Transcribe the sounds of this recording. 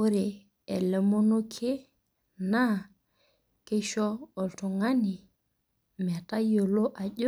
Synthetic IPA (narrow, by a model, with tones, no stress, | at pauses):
o˦ɾe˨ | ɛ˨lɛ˨mo˦no˦kʰe˦ | na˦ | ke˦ʃɔ˦o˨lto˨ŋa˦ni˨ | m˨ɛ˨ta˦jo˨lo˦ʔa˨ʄo˦